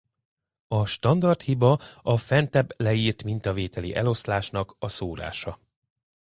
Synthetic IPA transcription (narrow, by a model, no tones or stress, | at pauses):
ɒʃt̪ɒnd̪ɒrt̪hibɒɒfɛnt̪ɛblɛiːrt̪mint̪ɒveːt̪ɛlḭʔɛlo̞slaːʃnɒkɒsoːɾa̰ːʃɒ